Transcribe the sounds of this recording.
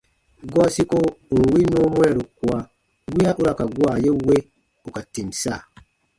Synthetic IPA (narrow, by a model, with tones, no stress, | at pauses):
ɡɔ˦si˦ko˦˨ŋ̩˨wi˦noː˦mwɛ˦˨ɾu˨ku˨a˦ | wi˦a˦ʔu˦ɾa˨ka˨ɡwa˨je˦we˦ | u˨ka˨ti˨msa˦˨